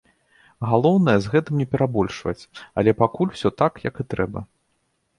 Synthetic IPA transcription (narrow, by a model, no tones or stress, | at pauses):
ɣalˠɔwnɐjɛzɣɛt̪ɨmnʲɛpʲɛɾabɔlʲʂvɐ̰t͡sʲɐlʲɛpakulʲw̥sʲɔt̪akjɐkɨt̪ɾɛbɐ̰